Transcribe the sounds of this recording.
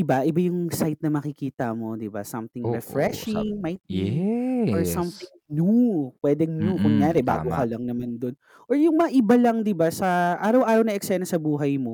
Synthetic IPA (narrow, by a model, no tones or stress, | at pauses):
ʔɪbaʔɪbajʊŋsajt̪̚nɐmɐkɪkiːt̪ɐmo̞d̪ɪba̰sɐ̰mθɪŋɹɛfɹɛʃɪŋmajt̪̚bioɹsɐmθɪŋnupwɛːd̪ɛŋnjukʊŋjaːɾɛba̰ːɡokɐlɐŋnɐmand̪o̞n | ʔoɹjʊŋmɐɐʔɪbalɐŋd̪ɪbasɐʔaːɾɐwʔaːɾɐwnɐɛksɛnɐsɐbuːɦɐjmo̞